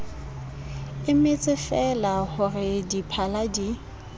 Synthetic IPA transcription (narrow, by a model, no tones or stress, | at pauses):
ɪmɪt͡sʼɪfɛlahʊrɪdipʰaladi